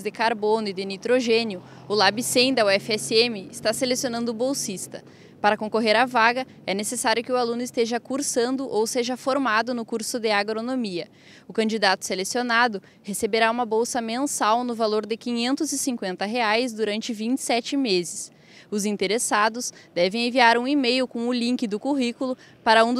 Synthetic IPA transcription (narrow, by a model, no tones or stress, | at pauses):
zd̪ɪkaɾbonʊɪd̪ɪnit̪ɾoʒẽnjʊ | ʊlabisẽj̃d̪ɐwɛfɛsɪemɪːst̪aselesijonɐ̃nd̪ʊbowsist̪ɐ̥̰ | paɾɐkõkoɦeɾavaɡɐ | ɛnesesaɾjʊkɪʊalũnʊɪst̪eʒɐkuɾsɐ̃nd̪ʊʔowseʒɐfoɾmad̪ʊnʊkuɾsʊd̪ɪaɡɾonomiɐ | ʊkɐ̃d͡ʒid̪at̪ʊ̥selesionad̪ʊ | hesebeɾaũmɐbowsɐmẽnsawnʊvaloɾd̪ɪkĩɲẽnt̪ʊzɪsĩŋkwẽnt̪ɐɦeajzd̪uɾɐ̃nt͡ʃɪvĩt͡ʃɪ̥sɛt͡ʃɪmezɪs | ʊzĩnt̪eɾesad̪ʊsd̪ɛvẽẽviaɾũimejʊkõw̃ʊlĩŋkɪd̪ʊkuɦikulʊ | paɾɐũd̪